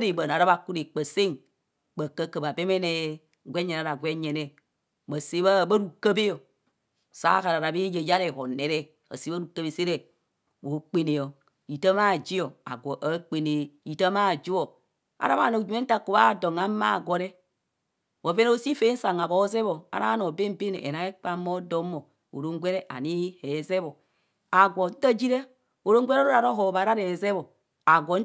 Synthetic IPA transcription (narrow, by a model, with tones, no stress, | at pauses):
ɾe˨ba˨n˨a˨ɾa˦βa˨ku˦ɾe˨k͡pə˨se˦ŋ | k͡pa˨kə˦kə˨ba˨be˦me˦ne˦˨ | ɡʷe˦ɲe˨na˨ɾa˨ɡʷe˦ɲe˨ne˦ | ba˨se˦βa˦ba˦ɾu˨kə˦be˦jo˨ | sa̰˦ka˨ɾa˨ɾa˨be˦je˨ja˦ɾe˦˨ho˨ne˨ɾe˦ | a̰˨se˦a˦ɾu˨kə˦be˨se˦ɾe˦ | wo˨˦k͡pe˦ne˨jo˨ | i˨tə˦ma˦˨d͡ʒi˦o˨a̰˨ɡo˨ʔa˦k͡pe˨ne˨i˨ta˦ma˦˨d͡ʒi˦wo˨ | a̰˨ɾa˦βa̰˦˨no˨d͡ʒu˨me˦n̩˦ta˦ko˨βa˦˨do˨ŋa˦ma̰˦˨ɡʷo˨ɾe˦ | o˨ve˦n˦o˦si˦fe˦n̩˦sa˨ŋa˨bo˨˦ze˦βo˨a̰˨ɾa̰˦a˦no˨be˦m˦be˦nḛ˨ʔḛ˨na˨˦e˦k͡pa˦mo˦do˦mːo˨ | o̰˨ɾo˦ŋ˦ɡʷe˦ɾe˦ʔa̰˨ni˦hi˦he˨˦ze˦βo˨ | a˨ɡʷo˨˦a˦d͡ʒi˦ɾe˦ | o˨ɾo˦ŋ˦ɡʷe˦ɾɾo˦ɾa˨ɾo˦ɦo˨βa˨ɾa˦ɾe˨ze˦βo˨ | a˨ɡʷo˨˦